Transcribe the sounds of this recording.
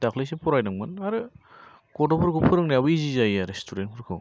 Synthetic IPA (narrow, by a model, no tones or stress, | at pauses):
dakʰlejs̬epʰɔɾajnɯŋmɯnaɾɯ | ɡodopʰɯɾkʰɯpʰɯɾɯŋniabɯizizajaɾestʰuɾenpʰɯɾkʰɯw